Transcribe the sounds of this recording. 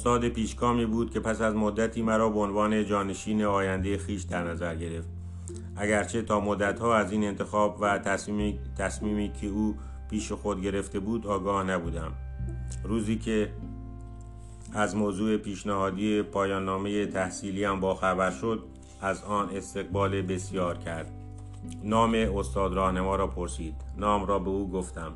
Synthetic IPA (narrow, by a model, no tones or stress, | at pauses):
ost̪ɒːd̪e̞piːʃkɒːmiːbuːd̪̥̚kʲʰe̞pæsæzmod̪ːæt̪ʰiːmæɾɒːbeonvɒːne̞d͡ʒɒːne̞ʃiːne̞ɒːjænd̪ejexiːʃd̪æɾnæzæɾɟe̞ɾe̞ft̪̚ | ʔæɟæɾt͡ʃʰe̞t̪ʰɒːmod̪ːæt̪hɒːæziːne̞nt̪ʰe̞xɒːbvæt̪æt̪ʰæsmiːmiːkʰeuː | pʰiːʃe̞xo̞d̪ɟe̞ɾe̞ft̪e̞buːd̪ɒːɡɒːhnæbuːd̪æm | ɾuːziːkʰe | æzmoːzuːe̞piːʃnæhɒːd̪iːepʰɒːjɒːnːɒːme̞je̞t̪ʰæhsiːliæmbɒːxæbæɾʃo̞d̪̚ | æzɒːne̞st̪e̞ɣ̚bɒːlebe̞sjɒːɾcʰæɾd̪̥̚ | nɒːme̞ost̪ɒːd̪ɾɒːhnemɒːɾɒːpʰoɾsiːd̪̥nɒːmɾɒːbe̞uːɡo̞ft̪æm